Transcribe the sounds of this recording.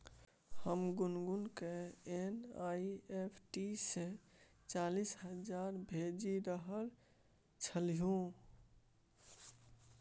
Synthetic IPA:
həmɡʊnɡunkeenaiepʰʈise | t͡ʃalisɦəd͡ʒaːɾbʱed͡ʒiɾəɦəɾ | t͡ʃʰəlijũ

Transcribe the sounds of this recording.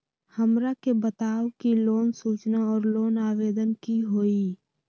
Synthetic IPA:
həmɾakebət̪aːwkiloːnsuːt͡ʃnaɔːɾloːnaːʋeːd̪ənkiɦoːiː

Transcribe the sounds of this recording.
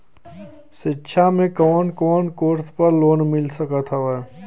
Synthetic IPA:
ʃɪtːʃʰamẽkɔːnkɔːnkoːɾt̪pəɾloːnmɪlsəkat̪ʰaʋɛ

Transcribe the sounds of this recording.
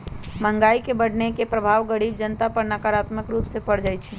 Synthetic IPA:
mə̃ŋɡaːikebəɽ̤nekepɾəbʱaːʋɡəɽiːbd͡ʒənt̪apɐɾnakaːɾaːt̪məkɾuːpsepɐɽd͡ʒaːit͡ʃʰi

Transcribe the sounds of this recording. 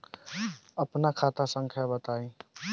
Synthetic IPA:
əpnakʰat̪asəŋkʰjabət̪ai

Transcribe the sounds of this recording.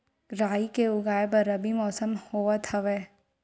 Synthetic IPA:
ɾaːikeʊɡaːebɐɾɐbimɔːsəmhoːʋat̪ʰɐʋeː

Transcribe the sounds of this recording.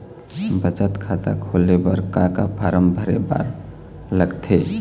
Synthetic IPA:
bət͡ʃət̪kʰat̪a̰kʰolebəɾkaka̰pʰaɾəmbʱəɾeba̰ɾ | ləɡt̪ʰe

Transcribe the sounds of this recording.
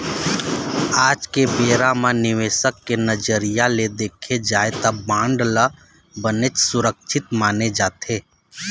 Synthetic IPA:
aːd͡ʒkebeːɾamãnɪʋeːsəkːenəd͡ʒəɾijaled̪eːkʰed͡ʒaːet̪abãːɳɖla | bənet͡ʃsʊɾək̚ʃʰɪt̪maːned͡ʒaːt̪ʰeː

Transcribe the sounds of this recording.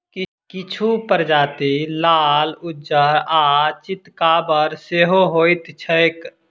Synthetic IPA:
kɪt͡ʃʰupəɾd͡ʒaːt̪ilaːlʊd͡ʒəɾat͡ʃɪt̪kabəɾseːɦoɦoːjt̪t͡ʃʰək

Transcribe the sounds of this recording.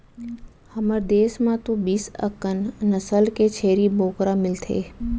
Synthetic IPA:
həməɾd̪eːsmãt̪õbiːsə̰kənnəsəlket͡ʃʰeːɾiboːkɾamɪlt̪ʰḛː

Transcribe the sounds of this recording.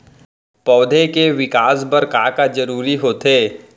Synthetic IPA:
pɔːd̪ʱekeʋɪkaːsbəɾkaːkad͡ʒɐɾuːɾiɦoːt̪eː

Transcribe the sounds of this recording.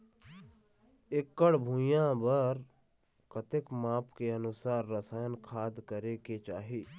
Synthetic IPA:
ɪkːəɽbʱũjãbəɾ | kət̪ɪkmaːpkeənʊsaːɾːəsaːjənkʰaːd̪kəɾeket͡ʃaːɦiː

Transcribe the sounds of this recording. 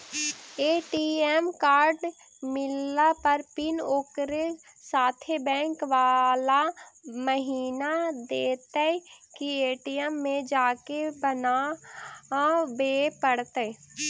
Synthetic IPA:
eːʈiɛmkaːɾɖ | mɪlːapəɾpɪnoːkɾe | saːt̪ʰebɛ̃ːŋkʋaːlaməɦiːnad̪eːt̪ekieːʈiɛmːẽd͡ʒaːkebəna | beːpəɽt̪e

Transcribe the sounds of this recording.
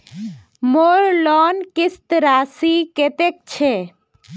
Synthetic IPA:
moːɾlɔːnkist̪ɾaːsiket̪ek̚t͡ʃʰe

